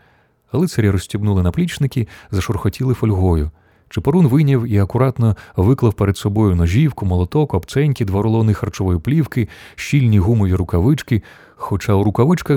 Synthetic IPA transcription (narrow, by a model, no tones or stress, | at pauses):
ɐlˠɪtsɐɾʲiɾɔsʲtʲibnulˠɪnɐplʲit͡ʃnɪkʲizɐʃɔrxɔtʲilˠɪfɔlʲɦɔjʊ | t͡ʃɪpɔɾunʋɪnʲɐwiɐkʊɾɑt̪nɔʋɪklˠɐwpeɾed̪sɔbɔjʊnɔʒʲiwkʊmɔlˠɔt̪ɔkɐbt̪sɛnʲkʲid̪ʋaɾɔlˠɔnɪxɐrt͡ʃɔʋɔjʊplʲiwkɪʃilʲnʲiɦumɔʋʲiɾʊkɐʋɪt͡ʃkɪ | xɔt͡ʃawɾʊkɐʋɪt͡ʃkɐ